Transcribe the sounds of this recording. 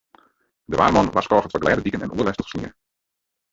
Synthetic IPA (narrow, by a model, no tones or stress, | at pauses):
dəʋa̰ːrmɔnʋaskɔːχətʋɔɡlɛːdədikənɛ̰nʔuəlɛstə̥χsnḭə